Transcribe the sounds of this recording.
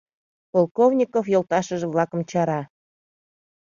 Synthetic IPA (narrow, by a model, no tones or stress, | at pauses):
polˠkovnʲikofjolˠt̪ɑʃəʒĕβlɑkə̆mt͡ɕɑɾɑ